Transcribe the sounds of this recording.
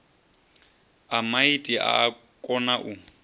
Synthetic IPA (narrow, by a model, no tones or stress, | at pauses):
amaitʼiʔa̰ː | kʼɔnaʔu